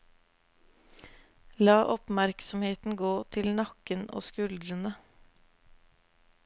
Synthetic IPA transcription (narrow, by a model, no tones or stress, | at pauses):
lɑːʔɔpmæɾksɔmheːt̪n̩ɡoːt̪ʰɪlnɑkəno̰ːskʉld̪ɾənə